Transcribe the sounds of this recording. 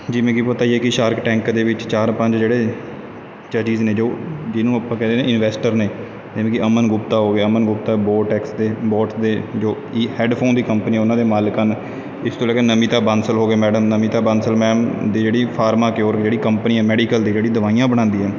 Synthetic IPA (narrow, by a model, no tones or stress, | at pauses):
d͡ʒiːmɛ̃ːkipət̪aːiːɛːkɪʃaːɾkʈɛ̃ːŋkd̪eːʋɪt͡ʃt͡ʃaːɾpəɲd͡ʒd͡ʒeːɽeː | t͡ʃəd͡ʒiːzneːd͡ʒoːd͡ʒɪnũːəpãːkɛ̃ːd̪eːnẽːɪnʋɛːsʈəɾneː | d͡ʒemẽːkɪʔəmənɡʊpt̪aːɦoːɡeːəmənɡʊp̚t̪aːboːʈɛːksd̪eːbɔːʈsd̪eːd͡ʒoː | iːhɛːɖpʰoːnd̪iːkəmpəniːɛːʊnãːd̪eːmaːlkən | ɪst̪õːlɛːɡeːnəmĩːt̪aːbansəlɦoːɡeːmɛːɖəmnəmĩːt̪aːbansəlmɛ̃ːd̪iːd͡ʒeːɽiːpʰaːɾmaːkɪoːɾkd͡ʒeːɽiːkəmpəniːɛːmɛːɖiːkəld̪iːd͡ʒeːɽĩːd̪əʋaːijãːbəɽ̃ãːnd̪iːɦɛː